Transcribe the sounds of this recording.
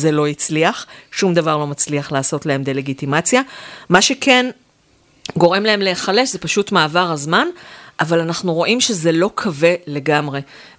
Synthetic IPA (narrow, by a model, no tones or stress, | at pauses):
zelo̞jit͡sliaχʃumd̪avaʁlo̞mat͡sliaχlaːso̞tlae̞md̪ele̞ɡit̪imat͡sjamaʃe̞ken | ɡo̞ʁe̞mlae̞mleːχale̞ʃzepaʃutmaːvaʁazmanʔavalanaχnuʁo̞ʔimʃeze̞lo̞kʰave̞le̞ɡamʁe̞